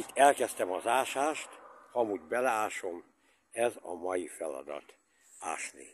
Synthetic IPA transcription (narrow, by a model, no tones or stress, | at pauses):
it̪ːɛlkɛst̪ɛmɒzaːʃaːʃt̪hɒmuːɟbɛlɛaːʃo̞m | ɛzɒ̰mɒjifɛlɒ̰d̪ɒ̰t̪ | a̰ːʃlḭː